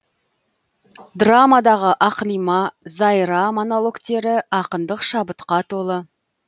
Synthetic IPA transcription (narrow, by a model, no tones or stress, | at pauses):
d̪ramad̪ɑʁəʔɑqlˠijmɑzɑjɾɑmonolˠo̞kt̪e̞ɾɪɑqənd̪əqʃɑbət̪qɑt̪ʰo̞lˠə